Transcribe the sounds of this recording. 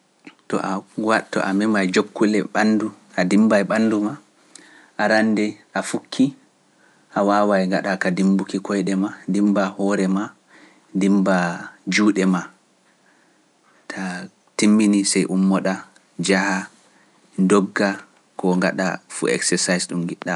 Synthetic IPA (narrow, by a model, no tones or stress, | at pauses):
tɔ̰ʔawatːɔ̰ʔamɛmajd͡ʒokːulɛɓanːdu | ʔadimbajɓanduma | ʔaɾanːdɛʔafukʰːi | ʔawawajŋɡaɗakadimbukikɔjɗɛmandimbahɔɾɛma | dimbad͡ʒuːɗɛma | tʰa | timːinisɛjʔumːɔɗa | d͡ʒaha | ndɔɡːa | kɔŋɡa̰ɗa̰fṵɛ̰ksɛsajsɗumɡiɗːa